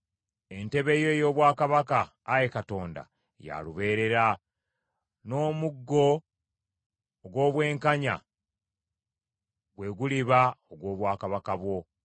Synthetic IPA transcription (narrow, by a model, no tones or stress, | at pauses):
e̞nte̞βe̞jo̞jo̞ːβwaːkaβakaː | jekato̞ːnda̰ | ja̰luβe̞ːɾe̞ɾa | no̞ːmuɡːo̞ | ɡwo̞ːβwe̞ːŋkaɲa̰ | ɡwe̞ɡuliβaoɡwo̞ːβwaːkaβakaβwo̞